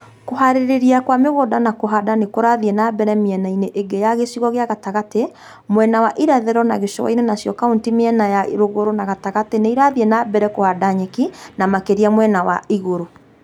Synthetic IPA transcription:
koɦaɾeɾeɾiakwameɣodanakoɦadanekoɾaðienabɛɾɛmiɛnaineʔeɡejaɣesiɣɔɣeaɣataɣate | mwɛnawaʔiɾɛðɛɾɔnaɣeʃɔwa̰inenasjɔkaontimeɛnajaɾoɣoɾonaɣataɣateneiɾaðienabɛɾɛkohadaɲɛkinamakeɾiamwɛnawa̰iɣoɾo

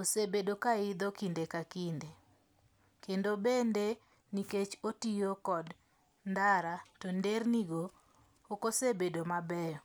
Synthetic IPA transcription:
osebedokaɪd̪ɔkindekakinde | kendobende | niket͡ʃotijokɔd | ndaɾatonderniɡoː | kosebedomabɛjɔ

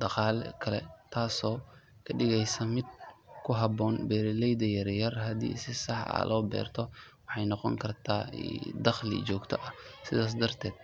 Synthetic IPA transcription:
d̪ɑqaːlɛkʰɐlɛ̰t̪ʰaːsɔː | kʰɐɖɪɣɛjsɐmɪd̪̚kʰʊɦɐbɔːnbɛːɾɪlɛjd̪ɐjɐrjɐrɦɐd̪ḭːsɪsɑħɐ̰lʔɔːbɛ̰ːrt̪ʰɔwɑħɑjnɔqɔ̰ŋkʰɐrt̪ʰa̰ːd̪ɐχlɪ̰t͡ʃɔːɡt̪ʰɔʔɐsɪðaːs̬d̪ɐrt̪ʰɛːd̪̚

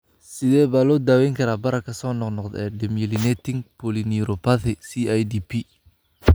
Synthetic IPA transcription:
sɪðɛːβaːlɔːd̪aːwɛjŋkʰɐɾaːbɐɾɐkʰɐsɔːnɔqnɔqd̪ɛːɖɛmɪlɪnɛt̪ʰɪŋpʰɔlɪniɾɔpʰaθɪsiajd̪iːpʰi

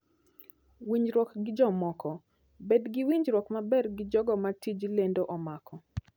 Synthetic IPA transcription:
wiɲd͡ʒɾwɔkɡɪd͡ʒɔmɔkɔ | bedɡɪwiɲd͡ʒɾɔkmabɛrɡɪd͡ʒɔɡɔmatid͡ʒlendoʔɔmakɔ

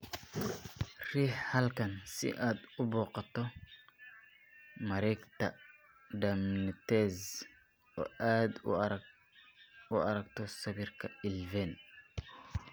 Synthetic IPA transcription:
riːħhɐlkɐnsɪ̰ʔaːd̪ʊbɔːqɑt̪ɔ | mɐɾɛjkt̪ɐ | d̪ɐmnɪt̪ɛːz | ɔ̰ːʔaːd̪ʊ̰ | ʊɐɾɐɡt̪ɔsɐβirkʰɐɪlvɛːn

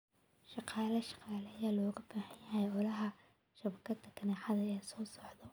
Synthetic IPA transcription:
ʃɑqɑːlɐʃɑ̥qɑːlɛːjaːlɔːɣɐbaːhɐjjɐɦɛjʕɔlɐɦɐ | ʃɐβɐkʰɐd̪ʰɐkʰɐnaːħɑðɐɛːsɔːsɔʕd̪ɔ

